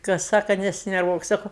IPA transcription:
kɐs ˈsɑːkɐ nʲɛsʲɪnʲɛrˈʋuɔk sɐkʊ

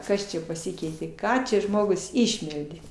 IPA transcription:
ˈkɐs t͡ʃʲɛ pɐˈsʲɪkʲɛɪtʲeː ˈkɑː t͡ʃʲɛ ˈʒmoːɡʊs ˈɪʃʲmʲɛlʲdʲeː

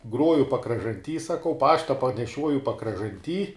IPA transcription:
ˈɡruɔjʊ pɐkrɐʒɐnʲˈtʲiː sɐˈkɐʊ ˈpɑːʃtɐ pɐnʲɛˈʃʲuɔjʊ pɐkrɐʒɐnʲˈtʲiː

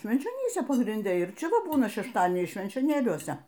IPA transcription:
ʃʲʋʲɛnʲt͡ʃʲoːˈnʲiːsʲɛ pɐɡrʲɪnʲˈdʲɛ ɪr ˈt͡ʃʲɛ ˈʋɐ ˈbuːnɐ ʃʲɛʃˈtɑːdʲiɛnʲɛɪs ʃʲʋʲɛnʲt͡ʃʲoːˈnʲeːlʲuɔsʲɛ

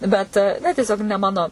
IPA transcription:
ˈbʲɛt nʲɛ tʲiɛˈsʲoːk nʲɛ ˈmɑːnoː

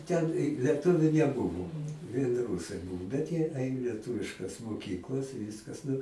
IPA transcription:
ˈtʲɛn ɪ lʲiɛˈtʊʋʲʊ nʲɛˈbʊʋoː ʋʲiɛn ˈruːsɐɪ ˈbuːʋoː bʲɛt jiɛ ˈɐɪn lʲiɛˈtʊʋʲɪʃkɐs moːˈkʲiːklˠɐs ɪ ˈʋʲiːskɐs nʊ

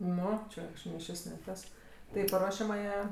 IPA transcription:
ˈnʊ ˈt͡ʃʲɛ kɐʃˈkɐɪp nʲɪ ˈʃʲɪs nʲɪ ˈtɐs tɐɪ ɪ pɐˈruɔʃʲɛmɑːjæː

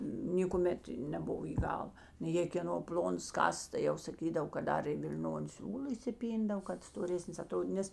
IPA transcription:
nʲeːkʊˈmʲɛt nʲɛˈbʊʋoː iː ˈɡɐlˠ nʊ jeː kʲeːˈnoː ˈpʲlʲoːnɐs ˈkɑːsɐs tɐɪ ˈjɛʊ sɐˈkʲiːdɐw kɐt ˈdɐr ɪ ʋʲɪlʲˈnoːnʲɪ ˈsʲuːlˠɐ iːsʲɪˈpʲiːndɐw kɐt stoːˈrʲæːsʲnʲɪs ɐˈtroːdʲiːt ˈnʲɛs

